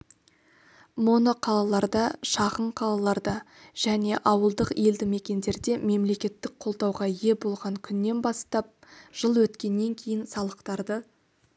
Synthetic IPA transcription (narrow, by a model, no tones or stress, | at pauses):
monoqʰɑlˠɑlˠɑɾd̪ɑʃɑʁəɴqʰɑlˠɑlˠɑɾd̪ɑ | ʒ̥æne̞ʔɑwəlˠd̪əqe̞ld̪ɪme̞kʲe̞nd̪e̞ɾd̪e̞me̞mle̞kʲe̞t̪ːɪk̚qʰo̞lˠd̪ɑwʁɑje̞bo̞lˠʁɑŋkʲʰʏnːe̞nbɑst̪ɑp̚ʒ̥əlˠwɵt̪kʲe̞nːe̞ŋkʲʰe̞jɪnsɑlˠəqt̪ɑɾd̪ə